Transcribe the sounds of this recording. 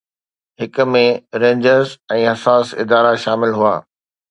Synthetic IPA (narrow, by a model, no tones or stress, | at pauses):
ɦɪkʊ̆mẽɾẽːɲd͡ʑəɾzɛ̃ːɦɐsaːsɪ̰d̪aːɾaʃaːmɪlɦua̰ː